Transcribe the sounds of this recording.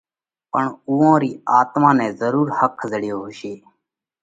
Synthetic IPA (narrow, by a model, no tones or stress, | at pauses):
pəɳuːõːɾiːaːt̪mãːnɛ̃ːzəɾuːɾhəkʰzəɽɪjoːɦʊʃeː